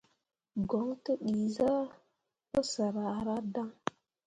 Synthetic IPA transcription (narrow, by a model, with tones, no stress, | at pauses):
ɡo˨ŋtə˦ɗi˨za˦ | pə˦sə˨ɾa˨ɾa˦da˦ŋ